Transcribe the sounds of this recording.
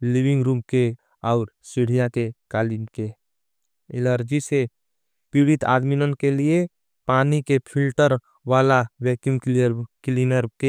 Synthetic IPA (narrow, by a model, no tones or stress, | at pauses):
liʋɪ̃ŋɡɾuːmke | ɔːɾsɪɽ̤ijakekaːlinke | ɪləɾd͡ʒise | piːɽɪt̪a̰ːd̪minənkelie | paːnikepʰɪlʈəɾ | ʋaːlawɛːkɪmklinəɾke